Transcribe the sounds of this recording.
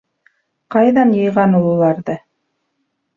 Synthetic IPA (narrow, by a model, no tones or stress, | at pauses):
qɑjðɑnjɤ̆jʁɑnolˠulˠɑɾðɤ